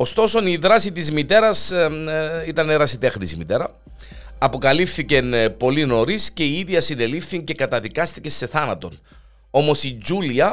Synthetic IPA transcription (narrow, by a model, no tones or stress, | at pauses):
o̞st̪o̞so̞niðɾɐsit̪izmit̪e̞ɾɐs | it̪ɐneɾɐsit̪exnisimit̪e̞ɾɐ | ɐpo̞kɐlifθice̞npo̞lino̞ɾisce̞iiðʝɐsine̞lifθiɲce̞kɐt̪ɐðikɐst̪ice̞st̪e̞θɐnɐt̪o̞n | o̞mo̞sid͡ʒuliɐ